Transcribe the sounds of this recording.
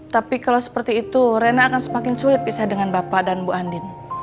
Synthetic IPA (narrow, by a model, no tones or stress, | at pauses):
t̪apikalawsə̥pərt̪iːt̪uɾenaːkansəmakɪnsulɪt̪̚bisadəŋanbapadanbuʔandɪn